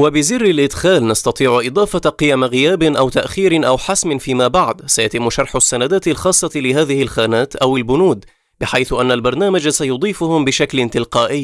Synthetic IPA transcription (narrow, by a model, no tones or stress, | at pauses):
wabɪzɪrːɪlʔɪd̪xaːlnɑst̪ɑt̪ˤiːʕʊʔɨd̪ˤɑːfɑqɨjamɣɪjaːbɪnʔawt̪aʔxiːɾɪʔawħasmɪnfiːmaːbaʕd̪sajat̪ɪmːʊʃɑɾˤħʊsːanad̪aːt̪ɪlxɑːsˤːɑlɪhaːðɪhɪlxaːnaːt̪ʔawɪlbʊnuːd̪ | bɪħajθʔanːalbɑɾˤnaːmad͡ʒasajʊd̪ˤiːfʊhʊmbɪʃaklɪnt̪ɪlqɑːʔɪjː